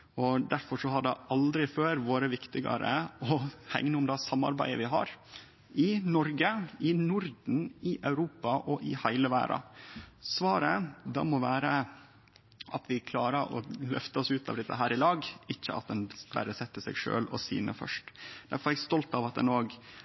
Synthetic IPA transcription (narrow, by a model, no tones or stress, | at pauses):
ɔd̪æɾfɔʂɔɦɑɖɛʔɑld̪ɾɪføːɾʋoːɾəʋɪkt̪ɪɡɑ̰ɾə̰ɔhæ̰ŋnəʊmd̪æsɑmːɑ̰ɾbæ̰ɪə̰ʋɪɦɑ̰ɾ | ɪnɔɾɡəɪnʊɾd̪n̩ɪʔɑʉɾuːpɑʔɔʔɪhæɪləʋæ̰ːɾɑ̰sʋɑːɾəd̪ɑ̰ːmɔʋæːɾə | ʔɑt̪ʋɪkʰlɑːɾəʔɔ̰lœft̪əɔsʉːt̪ʰɑ̰ʋd̪ɛt̪ːəɦæːɾɪlɑːɡɪçːəɑ̰t̪̚d̪ɛnbæ̰ɾəsɛt̪ːəsɛɡʂø̰ːlɔ̰sḭːnə̰fœ̰ʂʈd̪æ̰ɾfɔɾɛɡst̪ɔlt̪ɑʋɑt̪̚d̪ɛ̰noːɡ